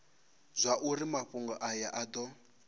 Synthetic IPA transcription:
zʷaʔuɾimaɸuŋɡɔʔajaʔad̪ɔ

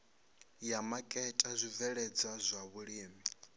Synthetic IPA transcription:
jamakʼɛtʼazʷivɛɺɛd͡zazʷaβuɺiːmi

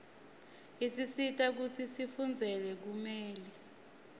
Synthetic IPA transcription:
isisitʼak̬ut͡sʰisifund͡zʱɛlɛk̬umɛːli

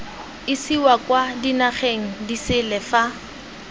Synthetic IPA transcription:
ɪsiwakwadinaχeŋ̩disɪlɛfa

